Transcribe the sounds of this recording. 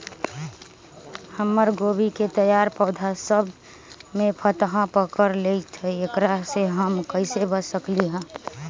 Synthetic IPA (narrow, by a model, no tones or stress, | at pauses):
həmːəɾɡobiket̪əjaɾpəːd̪ʱasəbʱ | mepʰət̪ɦãpəkəɾlet̪ʰɛekɾaseɦəmkəɪsebəsəkliɦə̃